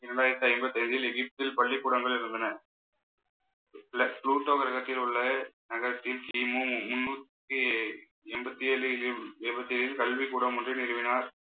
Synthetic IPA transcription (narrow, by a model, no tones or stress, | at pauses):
ɪnːɐɳnaːɪɾɐt̪ːaɐɪmbɐt̪ːɐɪɲd͡ʒɪlɛɣɪp̚t̪ɪlpɐɭːikːuːɽɐŋɡɐɭɪɾɯnd̪ɐnɐ | plɐsluːʈːoːɣɐɾɐɣɐt̪ːɪlʊɭːɐnɐɣɐɾɐt̪ːɪlt̪iːmumʊnːuːt̪ː | ɯ | ɛmbɐt̪ːieːlɯɛːbɐt̪ːielɪlkɐlʋikuːɽɐmʊndrɯnɪɾɯʋɪnaːɾ